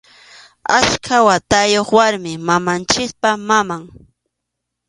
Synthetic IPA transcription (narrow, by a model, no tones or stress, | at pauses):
askʰawat̪ajoχwaɾmɪmamant͡ʃɪkpamamaŋ